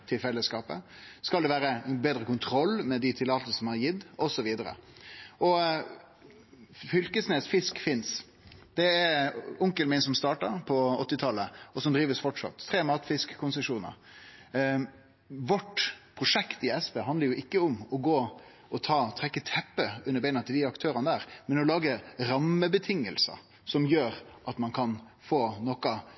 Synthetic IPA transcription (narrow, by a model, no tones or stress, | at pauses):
t̪ʰɪlfɛlːəskɑːpə̰skɑld̪ɛʋæːɾəbeːd̪ɾəkʊnt̪ʰɾɔlːmɛd̪ɪt̪ʰɪlːɑːt̪əlsɔɑɾjɪd̪ːɔsɔʋiːd̪əɾə̰ɔ | fʏlkəsneːsfɪskfɪns | d̪ɛɛɾʊŋkəlmɪnsɔmst̪ɑːʈəɾpʰɔɔt̪ːɪt̪ʰɑlːəɔsɔmd̪ɾiːʋəsfɔʈʂɑ̰t̪ʰːɾeːmɑːt̪fɪskkʰːʊnsəʂuːnə̰ɾ | ʋɔʈpʰʁʊʂɛkt̪ɪɛspeːɦɑnd̪əɾjʊʔɪkːəʊmɔɡoː | ʔɔt̪ʰɑːt̪ʰʁɛkːət̪ʰɛpːəʉnːəɾbæɪnət̪ʰɪld̪ɪɑkt̪ʰøːɾənəd̪æːɾmɛnɔlɑːɡəɾɑmːəbət̪ʰɪŋːəlsə̰ | sɔmjøːɾʔɑt̪mɑnkʰɑn | foːnɔkɑ